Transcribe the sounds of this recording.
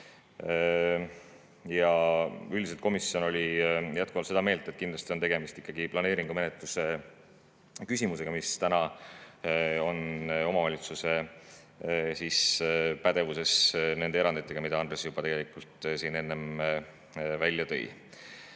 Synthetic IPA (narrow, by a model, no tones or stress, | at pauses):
jɑylʲd̪iset̪komisːio̞no̞lʲijæt̪̚kuvɑlt̪se̞d̪ɑme̞ːlt̪et̪̚ːkind̪lɑst̪io̞nt̪eɡe̞mist̪ikːɑɡ̥iplɑne̞ːɾiŋɡ̥ume̞net̪ˑluse̞ | kysʲimuse̞ɡ̥ɑmist̪ænɑ | o̞no̞mɑvɑlʲit̪suse̞ | siːspæd̪̥e̞vuse̞sne̞nd̪eeɾɑnd̪it̪ːˑe̞ɡ̥ɑmid̪̥ɑɑnd̪ɾresjub̥ɑt̪e̞ɡ̥e̞lʲikːult̪ˑsiːne̞nːem | vælʲjɑt̪ɤ̞̰j̰